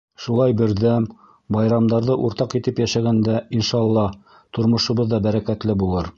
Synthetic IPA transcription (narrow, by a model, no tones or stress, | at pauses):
ʃulˠɑjbɘ̆ɾðæm | bɑjɾɑmd̪ɑɾðɤʔuɾt̪ɑqit̪ɘpjæʃæɡænd̪æinʃɑːlˠːɑ | t̪ŏɾmŏʃŭβɤðːɑbæɾækæt̪lɘbulˠɤɾ